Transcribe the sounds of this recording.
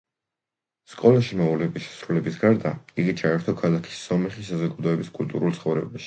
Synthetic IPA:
skʼɔlˠaʃimɛulɛbiʃɛ̥sɾulɛbisɡaɾd̪aiɡit͡ʃʰaɛɾt̪ʰɔkʰalˠakʰi̥sːɔmɛχisazɔɡad̪ɔɛbiskʼṵlt̪ʼṵɾult̪sʰχɔvɾɛ̰baʃi̥

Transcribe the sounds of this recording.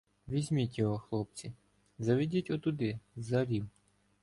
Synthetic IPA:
ʋʲizʲmʲitʲjɔɦɔxlˠɔp̚t͡sʲi | zɐʋʲidʲitʲɔt̪ʊd̪ɪzɐɾʲiw

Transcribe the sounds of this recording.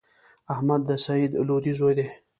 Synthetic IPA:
ahmad̪ːəsaid̪lod̪izojd̪e

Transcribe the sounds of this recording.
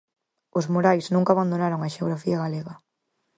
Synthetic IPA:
ozmoɾajznũŋkaːβand̪onaɾoŋaʃeoɣɾafiaɣaleɣɐ

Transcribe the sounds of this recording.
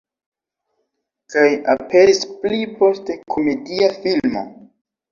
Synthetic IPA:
kajape̞ɾisplipo̞ste̞kʰo̞me̞diafilmo̞̰

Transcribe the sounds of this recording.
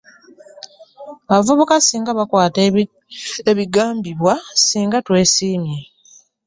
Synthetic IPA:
βavuβokasiːŋɡaβakwaːt | eβiɡaːmbiβwasiːŋɡatwe̞ːsiːmje

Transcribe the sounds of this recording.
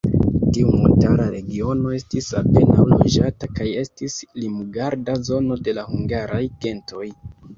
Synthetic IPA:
tiumuntaɾaɾe̞ɡio̞no̞e̞stisape̞na̰wlo̞̰d͡ʒatakaje̞stislimuɡaɾdazo̞no̞de̞lahuŋɡaɾajɡe̞nto̞j

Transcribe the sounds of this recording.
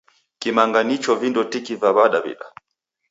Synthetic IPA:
kimaŋɡanit͡ʃɔvindɔtikivaβaɗaβḭɗa

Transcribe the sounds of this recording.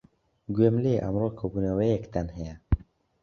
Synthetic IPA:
ɡwemleʔa̰mroːkʰobunəwɛjɛkt̪ɛnhɛjɛ

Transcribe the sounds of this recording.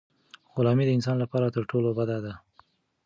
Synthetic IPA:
ɣʊlɑmid̪əɪnsɑnlapɑɾat̪əɾʈolobad̪ad̪a

